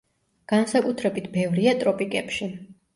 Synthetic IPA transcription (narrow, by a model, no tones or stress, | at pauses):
ɡ̥ansakʼut̪ʰɾɛbit̪ʰbɛvɾiat̪ʼɾɔpʼikʼɛpʃi